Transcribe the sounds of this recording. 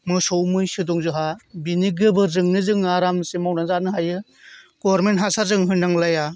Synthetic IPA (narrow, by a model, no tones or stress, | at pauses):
mɯsɔwmɯjsɯdɔŋzɯɦabiniɡɯbɯzɯŋnɯzɯŋːaɾamsemawnaŋzanɯɦajɯ | ɡ̥ɔbɾmentɦasazɯŋɦɯndaŋlaja